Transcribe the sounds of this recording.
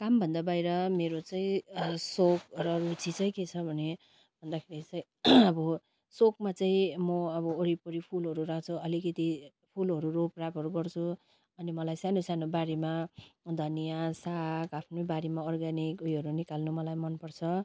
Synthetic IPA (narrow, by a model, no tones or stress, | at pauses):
kambʱʌnd̪abajɾʌmeɾot͡saĩsokrʌrut͡sit͡sʌĩket͡sʰʌbʱʌne | bʱʌnd̪akʰeɾit͡saĩ | ʌbʌ | sokmat͡saĩmʌʌbʌoɾipʌɾipʰulɦʌɾuɾakʰt͡sʰuʌlikʌt̪i | pʰulɦʌɾuroprapʌɾuɡʌrt͡sʰu | ʌnimʌlajsanosanobaɾemad̪ʱʌnijasakapʰnʌbaɾemaʌrɡanikujɦʌɾunikalnumʌlajmʌnpʌrt͡sʰʌ